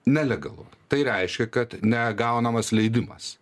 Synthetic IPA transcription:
nʲɛlʲɛɡɐlˠʊ̰t̪ɐɪɾʲɛɪʃʲkʲɛkɐt̪nʲɛɡɐʊnɐmɐslʲɛɪd̪ʲɪmɐ̰s

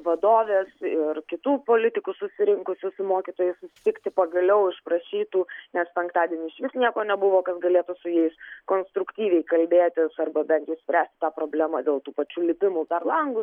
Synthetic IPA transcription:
ʋɐd̪oːʋʲeːsɪrkʲɪt̪uːpoːlʲɪt̪ʲɪkʊsʊsʲɪɾʲɪŋkʊsʲʊsʲʊmoːkʲit̪oːjɛsʊsʲɪ̥t̪ʲɪkt̪ʲɪpɐɡɐlʲɛʊɪʃpɾɐʃʲiːt̪uːnʲɛspʲɛŋkt̪ɑːd̪ʲieɛnʲɪːɪʃʲʋʲɪsnʲiɛkoːnʲɛbʊʋoːkɐsɡɐlʲeːt̪ʊsʊjɛɪskoːnst̪ɾʊkt̪ʲiːʋʲɛɪkɐlʲbʲeːt̪ʲɪsɐrbɐbʲɛnt̪jɛsʲpʲɾʲæːsʲt̪ɪ̥t̪ɑːpɾoːbʲlʲæːmɑːd̪ʲeːlˠt̪uːpɐt͡ʃʲuːlʲɪpʲɪmʊpʲɛɾlˠɐŋɡʊ

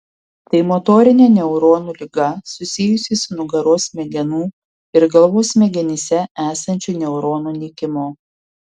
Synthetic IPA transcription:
t̪ɐɪmɔt̪oːɾʲɪnʲɛːnʲɛʊɾoːnuːlʲɪɡɐsʊsʲɪjʊsʲɪsʊnʊɡɐɾoːsmʲɛɡʲɛnuː | ɪɾɡɐlˠʋoːsmʲɛɡʲɛnʲɪsʲɛæːsɐnʲt͡ʃʲuːnʲɛʊɾoːnuːnʲɪkʲɪmoː

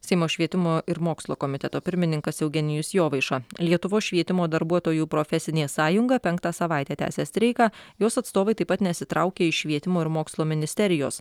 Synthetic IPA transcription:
sʲɛɪmoːʃʲʋʲiɛt̪ʲɪmoːʔɪɾmoːkslˠoːkomʲɪt̪ʲɛt̪oːpʲɪɾʲmʲɪnʲɪŋkɐsɛʊɡʲɛnʲɪjʊsjoːʋɐɪʃɐlʲiɛt̪ʊʋoːsʃʲʋʲiɛt̪ʲɪmoːd̪ɐɾbuɔt̪oːjuːpɾofʲɛsʲɪnʲeːsɑːjʊŋɡɐpʲɛŋkt̪ɑːsɐʋɑˑɪt̪ʲæːt̪ʲæ̰ːsʲeːst̪ʲɾʲɛɪkɑjoːsɐt̪st̪oːʋɐɪt̪ɐɪpɐt̪nʲɛsʲɪt̪ɾɑʊkʲeːɪʃʲʋʲiɛt̪ʲɪmoːɪɾmoːkslˠoːmʲɪnʲɪsʲt̪ʲɛɾʲɪjoːs

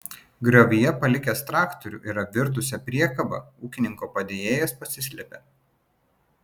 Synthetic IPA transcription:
ɡɾɐʋʲijɛpɐlʲɪkʲɛst̪ɾɑːkt̪ɔɾʲṵːˑʔɪɾɐʋʲɪɾt̪̬ʊsʲɛpʲɾʲiɛkɐbɐ̰uːkʲɪnʲɪŋkoːpɐd̪ʲeːjeːjɛspɐsʲɪsʲlʲɛpʲeː

